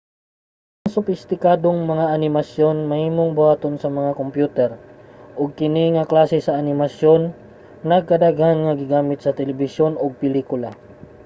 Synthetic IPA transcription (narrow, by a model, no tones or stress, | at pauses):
ʔɐŋsʊfɪst̪ɪkaːd̪oŋmɐŋaʔɐnɪmɐsjo̞nmɐhiːmoŋbʊwaːt̪onsɐmɐŋakompjuːt̪ɛɾʔoɡ̚kɪniŋɐklaːsɛsɐʔɐnɪmɐsjon | nɐɡ̚kɐd̪aːɡanŋɐɡɪɡaːmɪt̪̚sɐt̪ɛlɛbɪsjo̞noɡ̚pɪliːkʊla